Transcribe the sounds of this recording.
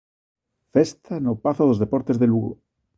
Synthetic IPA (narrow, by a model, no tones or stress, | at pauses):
fest̪ʰanopaθoð̞ozðepoɾt̪ezðeluɣo̰